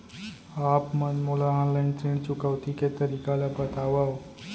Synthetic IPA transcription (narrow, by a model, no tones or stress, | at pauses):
apmənmulaɔnlaint͡sɾiɳt͡ɕukaʋt̪iket̪əɾikalapət̪aʋaw